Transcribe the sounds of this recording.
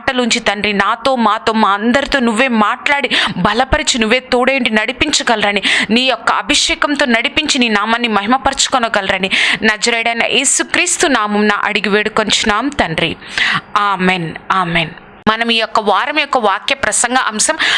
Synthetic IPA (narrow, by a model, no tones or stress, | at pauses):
ʈɐluɲt͡ʃit̪ɐnɾinaːt̪o̞ːmaːt̪o̞ːmaːɐnd̪ɐɾit̪oːnuʋːe̞ːmaːʈlaːɽibɐlɐpɐɾit͡ʃinuʋːe̞ːt̪oːɽɐjɳɖinɐɽipiɲt͡ʃɐɡɐlɾɐniniːjɔkːɐɐbʱiʂɛːkɐmt̪oːnɐɽipiɲt͡ʃininaːmɐnːimɐɦimɐpɐɾt͡ʃu̥kɔnɐɡɐlɾɐninɐd͡ʒɐɾɐjɽɐjnɐ̰ʔeːsukɾiːst̪unaːmɐmnɐ̰ːʔɐ̰ɽiɡiʋeːɽukont͡ʃinaːmt̪ɐnɾiaːmeːnaːmeːn | mɐnɐmiːjɔkːɐʋaːɾɐmɐjɔkːɐʋaːkjɐpɾɐsɐŋɡɐʔɐmsɐm